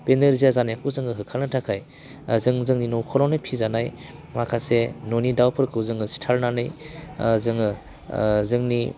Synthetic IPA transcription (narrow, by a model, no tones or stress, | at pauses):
peneɾzijazanajakʰuzɯŋɯɦɯkʰalnɯtʰakʰaj | zɯŋzɯŋninowkʰɔɾɔnɯpʰizanaj | makʰasenonidawpʰɯɾkʰɯwzɯŋɯstʰalnanɯjzɯŋɯ | zɯŋni